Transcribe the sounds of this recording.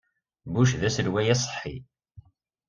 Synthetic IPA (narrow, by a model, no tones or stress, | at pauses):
buʃðæslwæjæsˤħːi